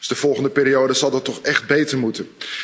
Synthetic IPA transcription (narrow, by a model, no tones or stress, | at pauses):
zdəv̥ɔlˠχəndəpɪːɾiowdəzɑlˠdɑtːɔχɛχd̚bejtəɹmutən